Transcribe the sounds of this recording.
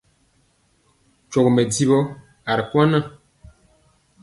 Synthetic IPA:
t͡ʃɔ˨kmɛ˨di˦bɔ˦ | a˨ɾkwa˦na˦˨

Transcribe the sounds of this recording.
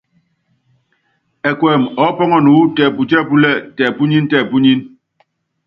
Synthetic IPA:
ɛ˨kwɛ˨mɔ˨˦pɔ˦ŋɔ˦˨nu˨˦tɛ˨pu˨t͡ʃɛ˦˨pu˦lɛ˦˨tɛ˨pu˦ɲi˦n˦tɛ˦˨pu˦ɲi˦n

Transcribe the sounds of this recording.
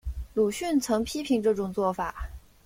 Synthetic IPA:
lu˨˩ɕy˥˩nt͡sʰɤ˧˥ŋpʰi˥pʰi˧˥ŋʈ͡ʂɤ˥˩ʈ͡ʂʊ˨˩ŋt͡swɔ˥˩fa˨˩˦

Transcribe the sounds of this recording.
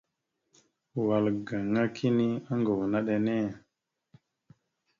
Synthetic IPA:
wa˨lɡa˨ŋa˦kʰi˦ni˦a˦ŋɡo˨wna˦ɗe˨ne˦˨

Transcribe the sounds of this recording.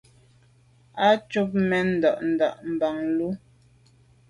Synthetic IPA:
a˦t͡ʃu˦p̚mɛ˨n̩˨dɔ˨ʔn̩˨da̰˨ʔm̩˨ba˨ŋlu˦

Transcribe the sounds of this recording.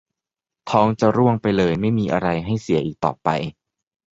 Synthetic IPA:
t̪ʰɔː˦˥ŋt͡ɕa˨˩ɾu˥˩əŋpa˧jlɤː˧jma˥˩jmiː˧ʔa˧ɾa˧jɦa˥˩jsi˨˩˦ɐʔiː˨˩k̚t̪ɔ̰ː˨˩pa̰˧j

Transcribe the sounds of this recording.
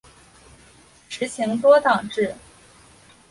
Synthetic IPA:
ʂɻ̩˧˥t͡ɕʰi˧˥ŋt̪wɔ˥t̪ɑ˨˩ŋʈ͡ʂɻ̩˥˩

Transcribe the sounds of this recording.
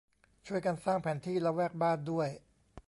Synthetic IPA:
t͡ɕʰu˥˩əjka˧nsaː˥˩ŋpʰɛː˩˦nt̪ʰiː˥˩lɛ˦˥wɛː˥˩k̚baː˥˩ndu˥˩əj

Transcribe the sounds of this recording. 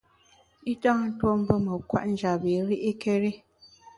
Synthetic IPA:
i˦tã˦n̩˦two˦m̩˦bo˦mə˨kwa̰˦ʔn̩˦d͡ʒa˨be˨˦ɾi˦ʔi˦ke˦ɾe˦

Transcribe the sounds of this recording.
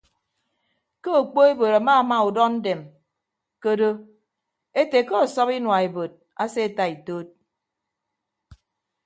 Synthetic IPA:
ko˦o˨k͡po˦e˦bo˨ɾa˨ma˦˨ma˦u˨dɔ˦n̩˦de˨m | ko˦do˦ | e˦te˨ko˦ɔ˨sɔ˦pi˦nwa˨e˨bo˨t̚ | a˦se˦e˨ta˦i˨toː˦t̚

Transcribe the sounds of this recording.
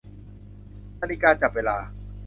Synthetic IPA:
t̪a˧li˦˧kaː˧t͡ɕa˨˩p̚weː˧laː˧

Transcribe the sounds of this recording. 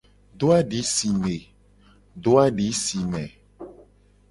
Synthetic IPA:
ɖo˦a˦ɖi˨˦si˨me˨ | ɖo˦a˦ɖi˨˦si˨mɛ̃˨

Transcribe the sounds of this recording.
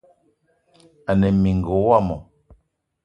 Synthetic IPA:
a˨nɛ˨mi˨ŋ̩˨ɡo˨˦wa˦˨mɔ˨

